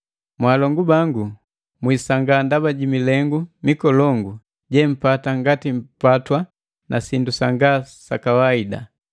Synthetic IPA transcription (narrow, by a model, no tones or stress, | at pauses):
mwaːlɔŋɡubaŋɡu | mwiːsaŋɡandabaɟimilɛŋɡumikɔlɔŋɡu | ɟɛm̩pataŋɡatim̩patwa | nʔasindusaŋɡasakawaida̰